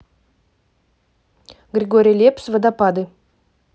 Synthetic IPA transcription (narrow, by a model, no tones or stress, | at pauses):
ɡrʲeɡoɾʲijlʲepsvəd̪apad̪ɨ